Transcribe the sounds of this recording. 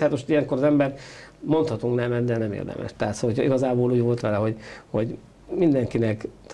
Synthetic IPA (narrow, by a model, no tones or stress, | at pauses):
haːt̪moʃt̪ijɛŋko̞ɾɒzɛmbɛrmo̞nt̪hɒt̪uŋknɛmɛd̪d̪ɛnɛmḛːrd̪ɛ̰mʔɛ̰ʃt̪ɛɦat̪solocʰɒiɡɒzaːboːluːɟʋo̞lt̪ʋɛlɛɦo̞ɟho̞ɟ | mind̪ɛŋkinɛkt̪